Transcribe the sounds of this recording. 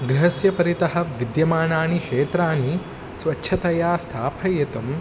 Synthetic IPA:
ɡɾiɦɐsjɐpɐɾit̪ɐɦɐ̆ʋid̪jɐmaːnaːnikʃeːt̪ɾaːni | sʋɐtːʃʰɐt̪ɐjaːst̪ʰaːpʰɐjet̪ɐm

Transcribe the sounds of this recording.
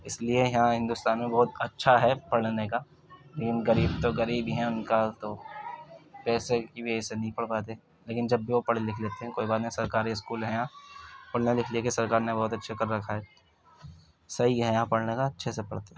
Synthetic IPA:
ɪsliejɐɦãɦɪ̃nd̪ʊst̪aːnmẽbɔɦʊt̪ɐtːʃʰaɦɛpɐɽnekaː | leːkɪnɣɐɾiːbt̪oɣɐɾiːbɦɛ̃ʊnkat̪o | pɛːsekibʱiesenɐɦĩpɐɽ̤paːt̪̬eɛ̃ | leːkɪnd͡ʒɐbːiʋopɐɽ̤elɪkʰleːt̪eɦɛ̃koːibaːɾnɦĩsɐɾkaːɾiɪskuːlɦɛ̃jãpɐɽ̤nelɪkʰliekesɐɾkaːɾnebɔɦːt̪ɐtːʃʰakɐɾːɐkʰaɦɛ | sɐɦiɦɛ̃jɐɦãpɐɽnekaɐtːʃʰesepɐɽt̪e

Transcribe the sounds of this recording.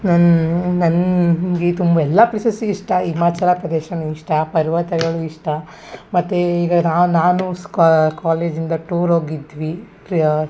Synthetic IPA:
nɐnnɐnɡet̪umbɐɛlːɐplisɐsuiʂʈɐimaːt͡ʃɐlɐpɾɐd̪ɛʃɐniʂʈɐpɐɾiʋɐt̪ɐɡɐɭuiʂʈɐ | mɐt̪ːeiːɡɐnaːnaːnukaːleːd͡ʒind̪ɐʈuːɾɦoːɡid̪ʋi

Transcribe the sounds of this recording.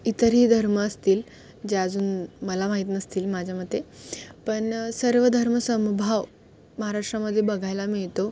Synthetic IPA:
it̪əɾɦiːd̪ʱəɾməːst̪iːl | d͡ʑeəd͡zuːnməlamaɦit̪nəst̪iːlmad͡ʑʱjaməd̪ʱjepəɳsəɾʋəd̪ʱəɾməsəmbʱaʋ | məɦaɾaʂʈɾaməd̪ʱːjebəɡʱajlamiɭt̪o

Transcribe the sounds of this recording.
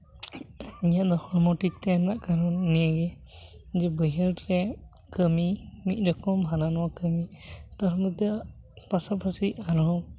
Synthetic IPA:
iɲaʔd̪ɔhɔɾmɔʈik̚t̪ɛnaʔkaɾɔnːijaɡɛ | d͡ʒɛbəjəɾɾɛ | kəmimit̪̚ˀɾɔkɔmɦananɔwakəmit̪ɔɾɔmət̪a | pasapʰasiaɾɔ

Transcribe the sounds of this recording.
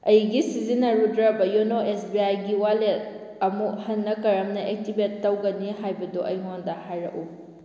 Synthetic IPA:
ɐjɡisizinɐɾutɾɐbɐjonoʔesbiajɡiwale | ɐmuhɐnːɐkɐɾɐmnɐʔek̚tibetːɐwɡɐniɦajbɐduʔɐjmondɐhajɾɐ̰ʔu

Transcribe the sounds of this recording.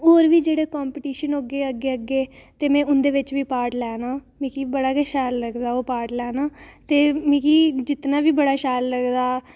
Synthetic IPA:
oːɾʋiːd͡ʒeːɽeːkaːmpɪʈiːʃənoːɡeːəɡeːəɡeːt̪eːmɛ̃ːʊnd̪eːʋɪt͡ʃʋiːpaːɾʈlɛːnaː | mĩːkiːbəɽaːkɛʃaːlːəɡd̪aːoːpaːɾʈlɛːnaːt̪eːmĩːkiːd͡ʒɪt̪naːʋiːbəɽaːʃaːlːəɡd̪aː

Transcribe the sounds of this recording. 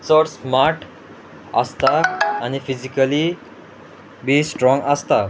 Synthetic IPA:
sɔɾsmaɾʈ | ə̰st̪aːñifid͡ʑikəli | bisʈɾɔ̃ŋɡəst̪a

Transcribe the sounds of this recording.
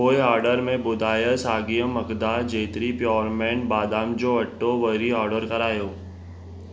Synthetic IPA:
oːeaːɾɖəɾmẽbʊd̪aːjəsaːɡijəmɐɡd̪ad͡ʒeːt̪ɾipjɔːɾmẽːɳʈ̚baːd̪aːmd͡ʒoɐʈːoʋəɾiɔːɾɖəɾkɐɾaːjoː

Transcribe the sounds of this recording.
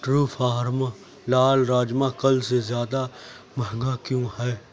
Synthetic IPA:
ʈɾuːfʰaːɾm | laːlɾaːd͡ʒmãkɐlsezjaːd̪a | məɦɡakjõɦɛː

